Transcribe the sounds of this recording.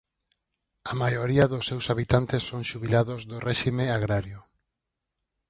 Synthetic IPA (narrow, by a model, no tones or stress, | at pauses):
amajoɾiaðʊsːewsaβit̪ant̪esːoŋʃuβilaðʊzðʊrɛʃimeaɣɾaɾjʊ